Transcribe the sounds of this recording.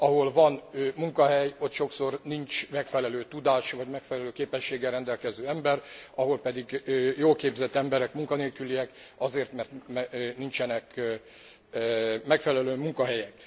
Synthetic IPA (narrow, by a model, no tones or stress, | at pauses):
ɒɦo̞lvɒnmuŋkɒɦɛjo̞t̪ʃo̞kso̞rnint͡ʃmɛkfɛlɛløːt̪ud̪aːʃvɒɟmɛkfɛlɛløːkeːpɛʃːeːɡɛrːɛnd̪ɛlkɛzøːɛmbɛrɒɦo̞lpɛd̪iɡjoːlkeːbzɛt̪ːɛmbɛɾɛkmuŋkɒneːlkyliɛk | ɒzeːrt̪mɛrt̪mɛnint͡ʃɛnɛk | mɛkfɛlɛløːmuŋkɒɦɛjɛk